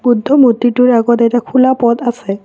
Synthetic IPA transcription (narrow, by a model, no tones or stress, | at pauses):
budʱːɔmotːitʊɹaɡɔtejtakʰulapɔtasɛ